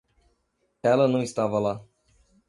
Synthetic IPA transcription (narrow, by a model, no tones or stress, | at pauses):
alənuist̪avala